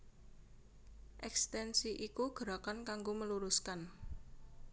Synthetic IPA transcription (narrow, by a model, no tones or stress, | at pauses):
ʔɛkst̪ɛnsiʔikuɡ̥ə̤ɾakankaŋɡoməluɾuskan